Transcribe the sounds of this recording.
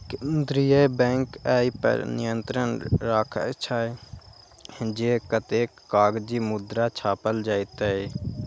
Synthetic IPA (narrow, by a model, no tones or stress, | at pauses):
knd̪ɾijabɛ̃ːŋkaːipə̰ɾnɪjənt̪ɾənɾaːkʰt͡ʃʰaːe | d͡ʒeːkət̪eːkːaːɡd͡ʒiːmʊd̪ɾat͡ʃʰaːpəld͡ʒaːit̪ae